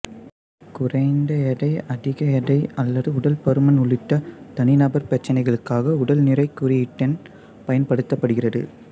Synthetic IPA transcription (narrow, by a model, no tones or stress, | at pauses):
kʊrɐɪnd̪ɐɛɽɐɪʔɐðɪɣɐɛɽɐɪɐlːɐðɯʊɽɐlpɐɾɯmɐnʊɭɪʈːɐt̪ɐnɪnɐbɐɾpɐt͡ʃːɐnɐɪɣɐɭɯkːaːɣɐʊɽɐlnɪrɐɪkːɯɾɪjɪʈːɐn | pɐjɐnpɐɽɯt̪ːɐpːɐɽɯɣɪrɐðɯ̰